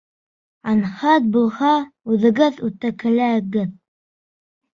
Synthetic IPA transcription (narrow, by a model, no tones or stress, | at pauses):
ɑnhɑt̪̚bulˠhɑʉðɘ̆ɡɘðʉt̪ækɘ̆læ̆ɡɘð